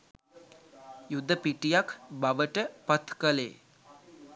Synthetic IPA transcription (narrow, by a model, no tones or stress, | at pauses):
jud̪ʱːəpiʈijakʰbaʋəʈəpat̪kəlḛː